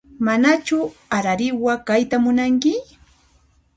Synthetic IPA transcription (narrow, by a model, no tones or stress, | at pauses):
manat͡ʃʊaɾaɾɪwakajt̪amʊnaŋkɪ